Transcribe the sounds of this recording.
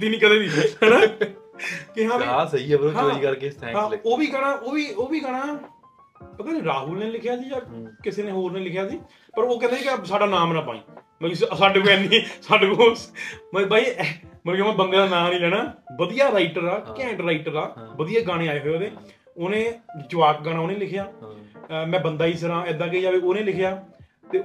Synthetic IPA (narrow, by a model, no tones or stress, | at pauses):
d̪iːnĩːkəd̪eːd̪iːɦɛːnaː | kɪɦãːasəiːəbɾoɦãoːɾiːkəɾkeːt̪ʰɛ̃ːɦãːoːʋiːɡaɽ̃aːʔoːʋiːoːʋiːɡaːɽaː | pət̪aːniːɾaːɦuːlnẽːlɪkʰjaːsiːd͡ʒaːkɪseːnẽːɦoːɾneːlɪkʰjaːsiː | pəɾoːkɛ̃ːneːsiːkɪsaːɖaːnaːmnãːpa̰ːḭ̃ː | məissaːɖkoɛ̃ːnd̪iːsaːɖɡoːsməbaːiːməimãːbəŋɡəld̪aːnaːlĩːlɛːɽaːʋəd̪ijaːɾaːɪʈəɾd̪aːkɛ̃ːɳɖɾaːɪʈəɾd̪aːʋəd̪ijaːɡaːɽ̃eːaːeːɦoːoːd̪eː | oːnẽːd͡ʒʊʋaːk̚ɡaɽ̃aːoːnẽːlɪkʰejaː | mɛ̃ːbənd̪aːiːsəɾãːɛːd̪aːk̬eiːd͡ʒaːʋiːoːnẽːlɪkʰjaː | t̪eː